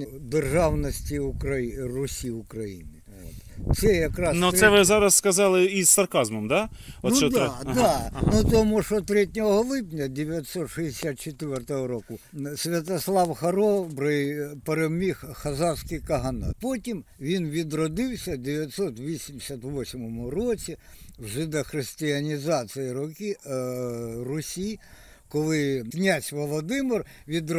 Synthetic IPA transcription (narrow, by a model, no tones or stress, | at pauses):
d̪erʒɑwnɔsʲtʲiʊkɾɐrʊsʲiʊkɾɐjḭnɪ | t̪sɛjɐkɾɑsnusɛʋɪzɑɾɐsskɐzɑlˠɪissɐrkɑzmɔmd̪aɔnuʃɔd̪d̪anut̪omuʂɔt̪ɾʲɛtʲnʲɔɦɔɦɔlˠɪpnʲɐd̪ʲeʋʲjɐt̪ʲsɔt̪ʂɛɪsʲat̪̚t͡ʃet̪ʋʲɛrt̪ɔɦɔɾɔkʊsʲʋʲɐt̪ɐslˠɑwxɐɾɔbɾɪjpeɾɛmʲixxɐzɑskɪjkɐɦɐnɑ̰potʲimʋʲinʋʲid̪ɾɔd̪ɪwsʲɐd̪ʲeʋʲjɐt̪sɔt̪ʋʲisʲimdʲɪsʲɐt̪ʋɔsʲmɔmʊrɔt͡sʲiwʐɪd̪ɐxrɪsʲtʲɪɐnʲizɑt̪sɨjiɾʊkʲi | rʊsʲi | kɔlˠɪknʲasʲʋɔlˠɔd̪ɪmɪr | ʋʲid̪